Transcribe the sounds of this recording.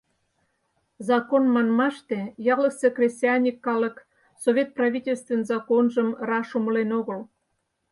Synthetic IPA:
zɑkonmɑnmɑʃt̪ejɑlə̆sekrʲesʲtʲiɑnʲikːɑlə̆k | sovʲet̪̚prɑvʲitʲelʲst̪vʲenzɑkonʒəmrɑʃuməlenoɣəl

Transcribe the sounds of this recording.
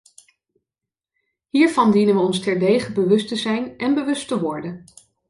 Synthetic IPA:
ɦiːɹvɑndinənʋəɔnstɛɹdejχəbəʋɵstəzɛjnʔɛnbəʋɵstəʋɔɹdən

